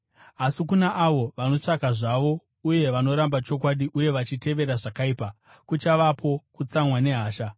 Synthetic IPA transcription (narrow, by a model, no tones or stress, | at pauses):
asikunaʔaʋo̞ʋano̞t͡ʂakaʐaʋo̞ | uje̞ʋano̞ɾambat͡ʃo̞kwaɗiʔuje̞ʋat͡ʃite̞ʋe̞ɾaʐakaiːpa | kut͡ʃaʋapʰo̞kut͡samwane̞ɦaːʃa